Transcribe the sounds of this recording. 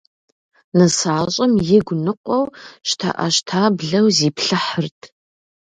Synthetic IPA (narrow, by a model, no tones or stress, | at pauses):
nɐsaːɕʼɐmjɪɡʷnɨqʷʼɔwʃtʰa̰ʔɐ̰ʃtʰaːbɮɐwziːpɬɨħərtʰ